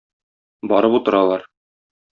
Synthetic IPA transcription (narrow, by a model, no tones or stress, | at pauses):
bɒɾɤput̪ɤ̆ɾɑlˠɑɾ